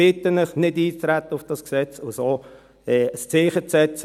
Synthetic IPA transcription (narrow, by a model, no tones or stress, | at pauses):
ɪt̪ənəχnɪdiːt͡sɾæt̪ːəʊfd̥ɑsksɛt͡sʊsoː | ɛəst͡sɪːχət͡sɛt͡s